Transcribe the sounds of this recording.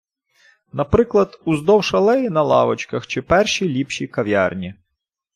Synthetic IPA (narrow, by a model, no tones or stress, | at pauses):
nɐpɾɪklˠɐd̪uzd̪ɔwʃɐlˠɛjinɐlˠɑʋɔt͡ʃkɐxt͡ʃɪpɛrʃilʲipʃikɐʋʲjɑ̰rnʲi